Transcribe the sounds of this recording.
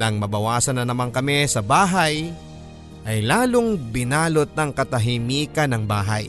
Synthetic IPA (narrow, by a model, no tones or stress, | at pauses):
nɐŋmɐbɐwaːsɐnɐnɐmaŋkɐmɛsɐbaːɦɐj | ʔɐjlaːloŋbɪnaːlot̪̚nɐŋkɐt̪ɐɦɪmiːkɐnɐŋbaːɦɐ̰j